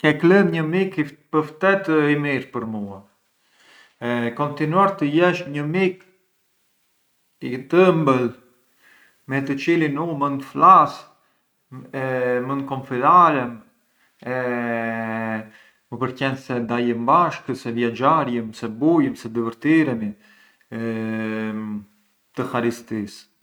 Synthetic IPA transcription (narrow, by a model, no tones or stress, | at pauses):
kɛklənɲəmikipəft̪ɛt̪əimiɾpəɾmua | ɛkɔnt̪inuaɾt̪əjɛʃɲəmik | it̪əmbəl | mɛt̪ət͡ʃilinumənflas | ɛmənd̪̚kɔmfidaɾɛm | ɛ | məpəɾkɛnsɛd̪ajəmbaʃkəsɛvjɛd͡ʒaɾjəmsɛbujəmsɛd̪əvəɾt̪iɾɛni | t̪əxaɾist̪is